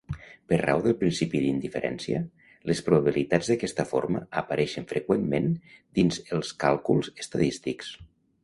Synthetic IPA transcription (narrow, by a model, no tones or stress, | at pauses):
pəɾra̰wðəlˠpɾinsipiðind̪ifəɾʔɛ̰nsiə̰ | ləspɾuβaβ̞ilit̪ad͡zðəakɛst̪əfo̰ɾmə̰əpəɾʔɛʃənfɾəkwemːend̪inzəlˠskalˠkulˠzəst̪aðist̪iks